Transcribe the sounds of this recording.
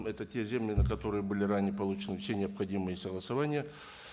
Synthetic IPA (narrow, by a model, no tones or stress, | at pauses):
mɛt̪ətʲe̞zʲemlʲɪnəkɐt̪o̞ɾɨjəbɨlʲɪranʲɪjəpɐlˠut͡ɕɪnɨfsʲenʲɪɐpxɐdʲimɨjəsəɡlˠəsɐvanʲɪjə